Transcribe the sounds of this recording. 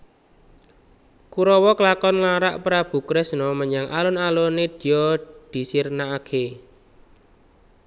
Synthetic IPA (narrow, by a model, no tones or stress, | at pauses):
kuɾɔwɔklakɔnŋaɾaʔpɾab̥ṳkɾɛsnɔməɲaŋʔalɔnaloned̪̥i̤jɔd̪̥i̤sirnaːkʰe